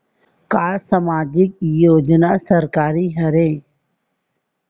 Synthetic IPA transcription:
kaːsəmaːd͡ʒɪkjoːd͡ʒnasəɾkaːɾiɦɐɾẽː

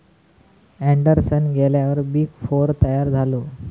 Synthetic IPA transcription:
æɳɖəɾsənɡɛljaʋəɾbiːkfoɾt̪əjaɾd͡zʱalo

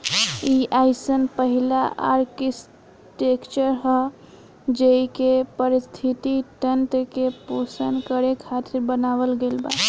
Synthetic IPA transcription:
iaɪsənpəɦilaa̰ɾkis | ʈekt͡ʃəɾɦə | d͡ʒeikepəɾist̪ʰit̪iʈənʈkeposənkəɾekʰat̪ʰiɾbənaʋəlɡelba̰

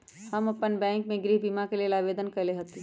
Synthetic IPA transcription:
hɐmɐpənbɛ̃ːŋkmẽɡɾiːɦbiːmakelielaːʋeːd̪ənkɐɾleɦot̪i

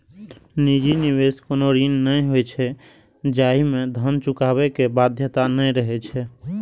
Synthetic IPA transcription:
nid͡ʒiniβeskonoɾinːəjɦojt͡ʃʰɛ | d͡ʒaimed̪ʱənt͡ʃukaβɛkebad̪ʱjət̪anəjɾəɦɛt͡ʃʰɛ

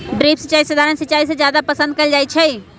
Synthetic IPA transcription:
ɖɾeːpsət͡ʃaːisəd̪ʱaːɾənsət͡ʃaːis̬ed͡ʒjaːd̪apəsə̃nd̪̚kɐld͡ʒaːit͡ʃʰɛ

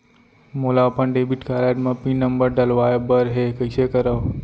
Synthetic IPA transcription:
moːlapəɳɖeːbiʈkaːlaːʈmãpĩːnəmbəɾɖɐlʋaːjebəɾɦekəjsekəɾəʋ

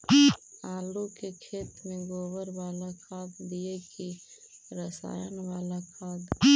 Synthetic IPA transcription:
aːlukekʰeːt̪mẽɡoːwəɾʋaːlakʰaːd̪d̪ieki | ɾəsa̰ːjənʋaːlakʰaːd̪

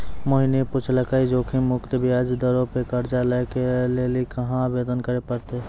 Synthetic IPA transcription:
moɦinepʊt͡ʃʰləkaid͡ʒokʰemʊkt̪bʱiad͡ʒd̪əɾõpekəɾd͡ʒaləkelelikəɦãbeːd̪ənkəɾepəɾt̪e

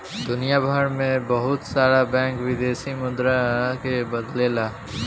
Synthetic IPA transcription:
d̪ʊnijabʱəɾmẽbəɦʊt̪saːɾabɛ̃ːŋkwɪd̪eːsimʊd̪ɾakebəd̪lelaː

